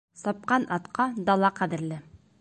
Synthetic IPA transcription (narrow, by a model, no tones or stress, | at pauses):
sɑp̚qɑnʔɑt̪qɑd̪ɑlˠɑqæðɘ̆ɾlɘ